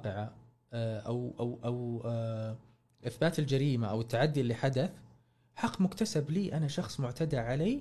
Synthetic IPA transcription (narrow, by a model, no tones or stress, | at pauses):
qɪʕa | ʔawʔawʔaw | ʔɪθbaːt̪ɪld͡ʒaɾiːmaʔawɪt̪ːaʕad̪ːiɪlːiħad̪aθ | ħɑqːmʊkt̪asabliːʔanaʃɑxsˤmʊʕt̪ad̪aʕaliː